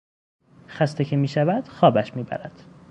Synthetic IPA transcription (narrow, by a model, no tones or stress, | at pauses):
xæst̪ecʰemiːʃævæd̪̥xɒːbæʃmiːbæ̰ɾæd̪̥